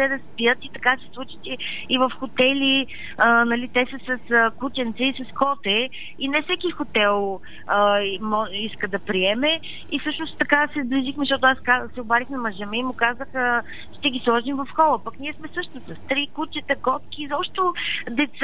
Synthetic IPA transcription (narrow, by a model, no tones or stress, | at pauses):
t̪ɛd̪ɐspijət̪it̪ɐkasɛ̥slˠut͡ʃi̥t̪ɛ | ivəfxot̪ɛli | ənɐlit̪ɛsəsɐsəkut͡ʃɛnt̪sɛisɐskɔt̪ɛ | inɛfsɛkixʊt̪ɛlˠ | əmɔiskəd̪ɐpɾiɛmɛ | ifsɤʃnost̪t̪ɐkasɛzbliʒixmʃtɔt̪ʊaskasɛobaɾixnɐmɐʒəmɛimʊkazəxə | ʃt̪ɛɡʲislˠɔʒimvɐfxɔlˠəpɐkniɛsmɛsɤʃt̪osəst̪ɾikut͡ʃət̪əɡɔt̪kʲiːzɔpʃt̪od̪ɛt̪s